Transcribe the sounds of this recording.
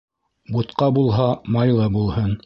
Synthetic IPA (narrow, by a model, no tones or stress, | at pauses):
but̪qɑbulˠɦɑmɑjlˠɑbulˠhɤn